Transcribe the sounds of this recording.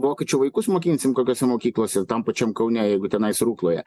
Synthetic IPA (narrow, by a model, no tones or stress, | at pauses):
ʋoːkʲɛt͡ʃʲʊʋɐɪkʊsmoːkʲiːnʲsʲɪmkoːkʲoːsʲɛmoːkʲiːklˠoːsʲɛt̪ɐmpɐt͡ʃʲɛmkɐʊnʲɛjɛɪɡʊt̪ʲɛnɐɪsɾuːklˠoːjɛ̰